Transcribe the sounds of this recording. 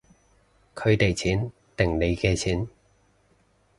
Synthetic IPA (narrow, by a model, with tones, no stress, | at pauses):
kʰɵ˨˧ɥt̪e˨jt͡sʰiː˨˥n | t̪ɪ˨˩ŋne˨˧jkɛː˧t͡sʰiː˨˥n